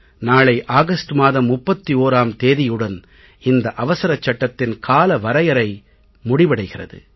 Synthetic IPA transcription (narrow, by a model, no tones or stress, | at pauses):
naːɭɐɪʔaːɣɐsʈɯmaːðɐmːʊpːɐt̪ːioːɾaːmt̪eːðɪjɯɽɐn | ɪnd̪ɐʔɐʋɐsɐɾɐt͡ʃːɐʈːɐt̪ːɪnkʰaːlɐʋɐɾɐjɐɾɐɪ | mʊɽɪʋɐɽɐɪɣɪrɐ̰ðɯ̰